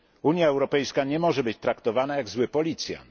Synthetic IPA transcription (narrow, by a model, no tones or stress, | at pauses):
uɲjaɛwɾɔpɛjskaɲɛmɔʐɛbɘt͡ɕt̪ɾakt̪ɔvanajaɡzwɘpɔlʲit̪sʲja̰